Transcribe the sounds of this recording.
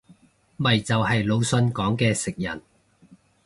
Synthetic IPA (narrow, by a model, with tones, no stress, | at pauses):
mɐ˨jt͡sɐ˨whɐ˨jlo˨˧wsɵ˧nkɔː˨˥ŋkɛː˧sɪ˨k̚jɐ̰˨˩n